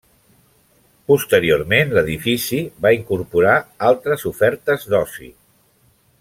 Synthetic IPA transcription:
pust̪əɾiormenləðifisiβaiŋkuɾpuɾaalˠt̪ɾəzufɛɾt̪əzd̪ɔsḭ

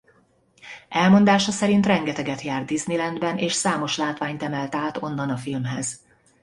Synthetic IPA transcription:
ɛlmo̞nd̪aːʃɒsɛɾint̪rɛŋɡɛt̪ɛɡɛt̪jaːrd̪d̪iznilɛnd̪bɛnʔeːʃsaːmo̞ʃlaːt̪ʋaːɲt̪ɛmɛlt̪aːt̪o̞nːɒnɒfilmɦɛz̥

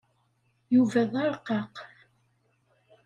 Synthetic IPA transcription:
juvæðɑɾˤqːɑq

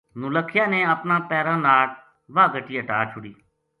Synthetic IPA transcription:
nʊləkʰːjaːnẽːəpnãːpɛːɾãːnaːʈ̚ | ʋaːɡəʈiːəʈaːt͡ʃʰʊɽiː

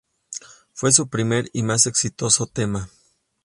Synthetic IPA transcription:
fwe̞s̬upɾime̞ɾimase̞ksit̪o̞sot̪ema

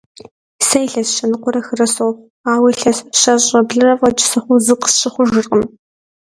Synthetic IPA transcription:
sɐjɬɐsʃɐnɨqʷʊɾɐxɨrɐsow | aːwiɬɐsɕɐɕʼɐbɮɨrɐvʼɐt͡ʃʼɪ̥sɨχʷʊzɨqə̥sɕɪχʷʊʒɨrqəm

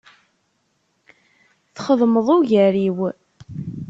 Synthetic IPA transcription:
θχəðˤməðˤʊʝəɾiw

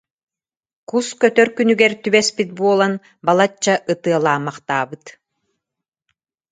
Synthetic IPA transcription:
kuskœt̪œɾkynyɡɛɾt̪ybɛspit̪̚buɔlˠan | balˠat͡ɕːaʔɯt̪ɯɐlˠaːmaχt̪aːbɯt̪

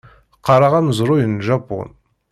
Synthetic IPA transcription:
qʰɑɾɑʁɑnzʊɾojənʒɑp̚oʁə̰n

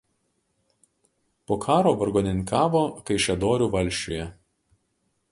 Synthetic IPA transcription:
poːkʰɑːɾoːʋɐɾɡoːnʲɪnʲkɑːʋoːkɐɪʃʲɛd̪oːɾʲuːʋɐlʲˑʃʲt͡ʃʲoːjɛ

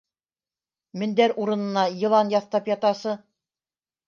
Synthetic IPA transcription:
mɘ̆nd̪æɾʔuɾɤ̆nɤ̆nɑjɤ̆lˠɑnjɑθt̪ɑpjɑt̪ɑsɤ

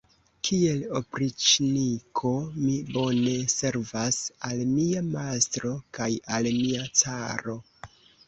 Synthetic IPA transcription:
kʰie̞lo̞pɾit͡ʃnikʰo̞mibo̞ne̞se̞ɾvasalmiamastɾo̞kajalmiat͡saɾo̞

